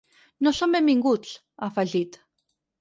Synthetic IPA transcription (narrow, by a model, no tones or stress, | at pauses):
noɬomemiŋɡut͡ɬ | afaɮit̪